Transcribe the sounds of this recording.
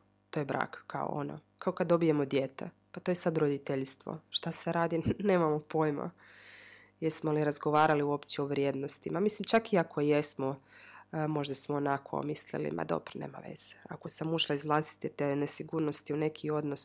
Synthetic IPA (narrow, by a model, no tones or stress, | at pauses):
t̪o̞ːjebɾa̰ːkka̰o̰o̰no̰kaokad̪dːo̞bije̞mod̪jet̪ḛ | pat̪ojesad̪ɾod̪it̪eʎst̪ʋo̰ʃt̪aseɾaːd̪ine̞ːmamopo̞ːjma̰ | jesmoliɾazɡo̞ʋaːɾaliuo̞pt͡ɕɛoʋɾjeːd̪no̞st̪imamislimt͡ʃakiakʰojesmo | mo̞ʒd̪asmoːnakʰo̰mislḭlḭmʔa̰d̪o̞̰bɾneːma̰ʋḛz̥e̥a̰ko̞samuʃlˠaizʋlˠaːsi̥t̪it̪enesiɡuːɾnost̪iune̞kʰio̞d̪nos